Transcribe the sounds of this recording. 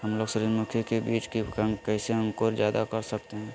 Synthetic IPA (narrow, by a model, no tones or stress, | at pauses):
ɦəmloːɡsʊɾiɾmʊkʰjokebiːt͡ʃkeəkɛːseɦə̃ŋkoːɾd͡ʒjaːd̪akɐɾsək̚t̪eɦɛ̃ː